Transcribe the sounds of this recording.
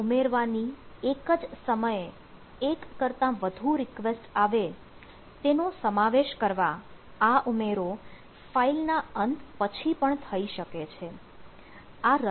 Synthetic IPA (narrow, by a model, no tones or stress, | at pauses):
umeɾʋaniekəd͡ʒsəməje | ekːəɾt̪ãʋəd̪ʱuɾɪkʋesʈaʋe | t̪enosəmaʋeʃkəɾʋaaʔumeɾo | failnaənt̪pət͡ʃʰipəɳt̪ʰəiʃəket͡ʃʰe | aɾ